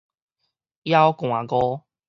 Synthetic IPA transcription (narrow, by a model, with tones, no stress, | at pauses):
ja˦wkw̃ã˨˩ɡɔ˦